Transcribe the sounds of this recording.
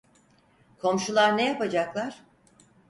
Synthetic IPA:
kʰo̞mʃulˠaɾnejapad͡ʒaklˠaɾ̥

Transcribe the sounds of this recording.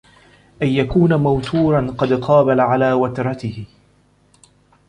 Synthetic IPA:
ʔajjakuːnamawt̪uːɾˤɑnqɑd̪qʰɑːbalaʕalaːwat̪ɾˤɑt̪ɪhɪ

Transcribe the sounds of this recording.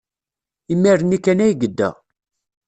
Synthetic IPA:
imːiɾənikːænæjɡəd̪ːæ̰

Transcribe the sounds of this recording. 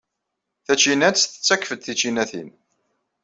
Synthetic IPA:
θæt͡ʃinæt͡sθə̥t͡sːækːfəd̪θit͡ʃinæθḭn

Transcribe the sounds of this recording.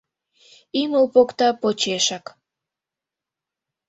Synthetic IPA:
iməlpokt̪ɑpot͡ɕeʃɑk

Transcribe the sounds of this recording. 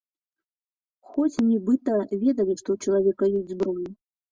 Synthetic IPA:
xɔt͡sʲnʲibɨt̪ɐvʲɛd̪ɐlʲiʂt̪ɔut͡ʃɐlˠavʲɛkɐjesʲdʲzbɾɔjʲu

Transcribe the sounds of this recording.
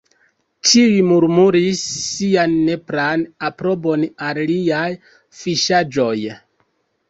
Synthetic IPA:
tʰiimuɾmuɾisːianːe̞pɾanapɾo̞bo̞nalliaj | fiʃad͡ʒo̞j

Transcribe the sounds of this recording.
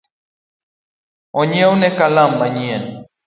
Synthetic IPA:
ɔɲɛunɛkalambaɲiɛn

